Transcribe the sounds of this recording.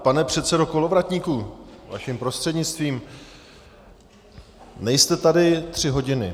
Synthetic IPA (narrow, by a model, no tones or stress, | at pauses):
panɛpr̝̥ɛt̪sɛdo̞ko̞lo̞vɾat̪ɲiːkuva̰ʃɪmpɾo̞st̪r̥ɛdɲɪt͡st̪viːm | nɛjst̪ɛt̪adɪt̪r̝̥ɪɦo̞ɟɪnɪ